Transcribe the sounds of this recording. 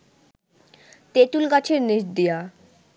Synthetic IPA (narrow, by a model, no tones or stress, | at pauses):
t̪et̪ulkat͡ɕʰeɾniʃd̪ija